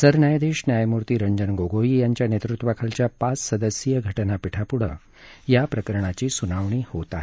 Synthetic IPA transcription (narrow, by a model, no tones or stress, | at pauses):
səɾnjajd̪eɕnjajmuɾt̪iːɾəɲd͡ʑənɡoɡʱoijaɲt͡ɕjanet̪ɾut̪ʋakʰəlt͡ɕjapat͡ssəd̪əsjəɡʱəʈənapiʈʰapuɽ̤ə̰ | japɾəkəɾɽ̃at͡ɕiːsunaʋɳ̃iːhot̪aɦe